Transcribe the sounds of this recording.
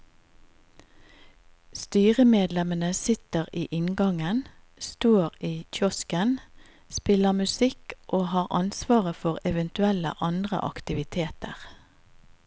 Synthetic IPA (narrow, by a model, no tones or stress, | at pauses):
st̪yːʁəmeːd̪lɛmənəsɪt̪əʁiːʔɪnɡɑŋən | st̪oːʁiːc͡çʰɔskən | spɪləmʉsɪkʔoːhɑːʁʔɑnsʋɑːʁəfɔʁɛʋənt̪ʉɛlə̰ʔɑnd̪ʁə̰ʔɑ̰kt̪ɪʋɪt̪ʰeːt̪ə̰ʁ